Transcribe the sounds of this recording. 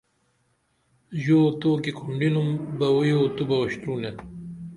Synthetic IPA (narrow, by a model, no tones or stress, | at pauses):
ʑoːt̪oːkikʰuɳɖinumbɐwujoːt̪ubɐɐɕt̪ɾuːne